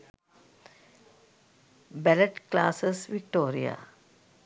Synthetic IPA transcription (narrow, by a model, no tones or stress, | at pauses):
bæləʈklaːsəsʋikʈoːɾḭja̰